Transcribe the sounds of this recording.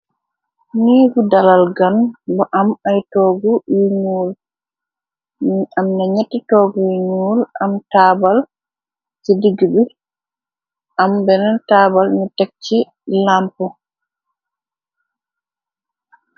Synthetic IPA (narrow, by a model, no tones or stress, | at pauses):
niːɡudalalɡanbɔʔamajtɔːɡuiɲuːl | amnaɲetːitɔɡujiɲuːlamtaːbal | sidiɡibi | ʔambɛnɛntaːbalnɛtak̚t͡ʃi | lampɔ